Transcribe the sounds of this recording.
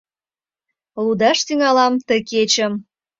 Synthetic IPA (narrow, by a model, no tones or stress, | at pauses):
lud̪ɑʃt̪yŋɑlɑmt̪əket͡ɕəm